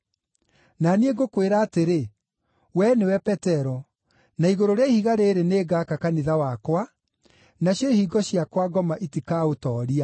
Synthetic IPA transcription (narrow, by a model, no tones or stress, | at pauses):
nanieɡokweɾaːteɾe | wɛnewɛpɛtɛɾɔ | naiɣoɾoɾeaihiɣaɾeːɾeneːɡaːkakaniðawakwa | naɕjɔhiːɡɔɕjakwaɡɔmaʔitikaːotɔːɾia